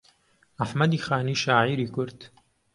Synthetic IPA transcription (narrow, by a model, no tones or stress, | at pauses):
ʔaħmɐd̪iːxaːniːʃaːʕiːɾiːkʊɾd̪̥